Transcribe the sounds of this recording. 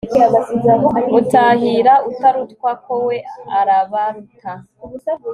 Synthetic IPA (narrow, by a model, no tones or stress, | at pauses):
aaiautaɦiɾautaɾutkwakʰowe̞aɾaβaɾukʰa